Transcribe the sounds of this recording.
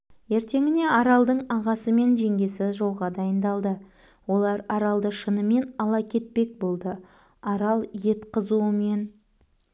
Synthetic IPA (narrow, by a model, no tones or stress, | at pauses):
e̞ɾt̪e̞ŋɪne̞ɑɾɑlˠd̪əɴɑʁɑsəme̞nʒe̞ŋɡʲe̞sɪʒo̞lˠʁɑd̪ɑjənd̪ɑlˠd̪ə | wo̞lˠɑɾɑɾɑlˠd̪əʃənəme̞nɑlˠɑkʲʰe̞t̪̚pe̞k̚bo̞lˠd̪ə | ɑɾɑlˠje̞t̪qəzuəme̞n